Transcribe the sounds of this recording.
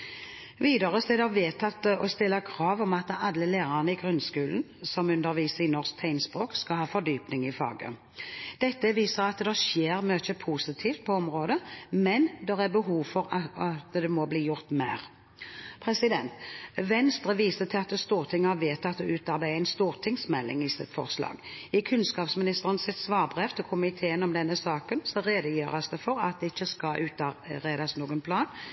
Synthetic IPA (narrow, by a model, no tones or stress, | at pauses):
ʋiːd̪əʁəst̪ɛd̪ɛʋeːt̪ʰɑt̪ːəɔst̪ɪlːəkʰʁɑːʋɔmɑt̪əɑlːəleːʁɑnəɪɡʁʉnskʉːln̩ | sɔmʉnd̪əʁʋiːsəɪnɔʁsk̚t̪ʰæɪnspʁoːkskɑlhɑːfɔd̪yːpnɪŋɪfɑ̰ːɡə̰ | d̪̥ɛt̪ːəʋiːsəʁɑt̪d̪ɛʃjeːʁmøːçəpʰuːsɪt̪ʰiːft̪̚pʰɔɔmʁoːd̪əmɛnd̪ɛʁæbəɦuːʋfɔʁɑt̪d̪ɛmɔbliːjʊʁt̪mæːʁ | pʰɾɛsɪd̪ɛnt̪ʋɛnst̪ʁəʋiːsət̪ʰɪɑt̪əst̪uːʁt̪ʰɪŋːəɑʋeːt̪ɑt̪̚d̪ɛʉːt̪ɑɾbæɪæɪnst̪uːʁt̪ʰɪŋsmɛlːɪ̰ŋɪsɪt̪fɔ̰ʁslɑ̰ːɡɪkʰʉnskɑːpsmɪnɪst̪əʁənsɪt̪sʋɑːʁbʁɛft̪ɔkʰʊmɪt̪ʰeːənɔmd̪ɛnːəsɑːkənsɔɾeːd̪əjøːɾɑsd̪ɛfɔɾɑ̰t̪̚d̪ɛɪçːəskɑlʔʉːt̪ɑbæɪd̪ɑsnuːɡənpʰlɑːn